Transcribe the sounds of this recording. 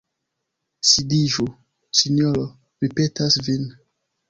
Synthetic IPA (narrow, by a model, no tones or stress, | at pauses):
sidiʒu | sinɔɾo | ɾipetasvin